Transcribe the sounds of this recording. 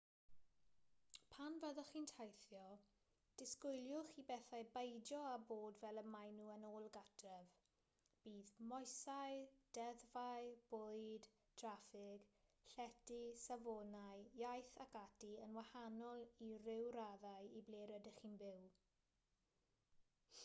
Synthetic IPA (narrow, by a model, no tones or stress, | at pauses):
pʰanvɛðɔχiːntʰajθjɔ | d̥ɪskʊjljʊχiːbɛθajbejd͡ʒɔaboːdvɛləmajnuːənoːlˠɡadrɛv | b̥iːðmɔjsajd̥ɛðvajb̥ʊjd | tʰrafɪɡɬɛdisavɔnajjajθakadiənwahanɔlˠirɪwɾaðajibleɾɛdəχiːnbɪw